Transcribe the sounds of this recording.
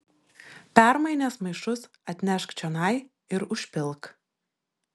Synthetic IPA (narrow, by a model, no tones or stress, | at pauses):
pʲæˑɾmɐɪnʲeːsmɐɪʃʊs | ɐt̪ʲnʲɛʃkt͡ʃʲɛnɐɪ | ɪɾʊʃʲpʲɪlˠˑk